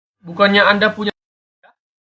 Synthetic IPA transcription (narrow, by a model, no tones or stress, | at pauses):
bukaɲaʔandapuɲ | a